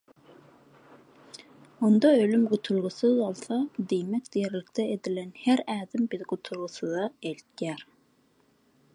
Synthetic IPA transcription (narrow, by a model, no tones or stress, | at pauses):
und̪ɑølymɡot̪ʰulˠʁʊsɨzɑlˠsɑd̪ejmɛk̚ʲd̪̥ejɛɾlɪk̚ʲt̪ʰɛed̪ɪlɛnhæɾæːðɪmbɪðɡot̪ʰulˠʁʊsɨðɑelt̪̚ɡʲæɾ